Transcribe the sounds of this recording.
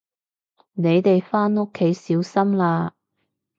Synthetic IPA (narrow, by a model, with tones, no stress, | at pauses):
ne˨˧jt̪e˨jfaː˥no˥kʰːe˨˥jsiː˨˥wsɐ˥mlaː˧